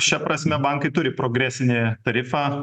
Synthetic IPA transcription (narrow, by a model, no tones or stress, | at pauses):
ʃʲɛpɾɐsʲmʲɛbɐŋkɐɪt̪ʊɾʲɪpɾoːɡɾʲæːsʲɪnʲɪt̪ɐɾʲɪfɑː